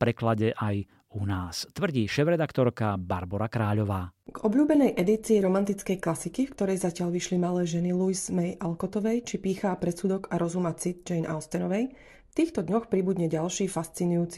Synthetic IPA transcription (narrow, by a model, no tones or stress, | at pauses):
pɾɛklaɟɛʔaj | unaːst̪ʋr̩ɟiːʃɛvɾɛd̪akt̪ɔɾkaba̰ɾbɔɾakɾaːʎɔʋaːɡɔbʎuːbɛnɛjʔɛd̪it͡siːɾɔmant̪it͡skɛjklasikifkt̪ɔɾɛjzacɪaʎʋiʃlimalɛːʒɛnilujzmɛjʔalkɔt̪ɔʋɛjt͡ʃipiːxaːpɾɛsuːd̪ɔkaɾɔzumat͡sit̪̚d͡ʒɛjnʔa̰ʊst̪ɛnɔʋɛj | ft̪iːxt̪ɔd̪ɲɔxpɾibud̪ɲɛɟalʃiːfast͡sinujuːt͡si̥